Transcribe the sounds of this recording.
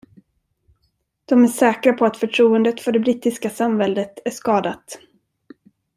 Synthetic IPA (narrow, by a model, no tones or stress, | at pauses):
d̪̥ɔmæʂɛːkɾapʰɔat̪fœʈʰɾuːənd̪ət̪fœɖɛbɾiːt̪ːɪskasamvɛld̪ət̪æʂkɑːd̪at̪